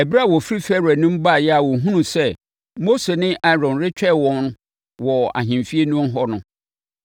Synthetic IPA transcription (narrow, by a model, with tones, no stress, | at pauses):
ɛ˨bi˦ɾa˦˨wɔ˨fi˦ɾi˦fɛ˦ɾɛ˨nʊ̃˦m̩˦ba˦˨jɛ˦a˨wɔ̃˨ɦũ˦nũ˨sɛ˦ | mo˦se˨nɪ̃˦ʔa˦ɾɔ̃˨nɾɪ˦t͡ɕᶣɛ˦˨wɔ̃˦nn˦ | wɔ˨a̰˨ɦɪ̃˨mfi˦e˦nũ˦n˦ɦɔ˦nʊ̃˦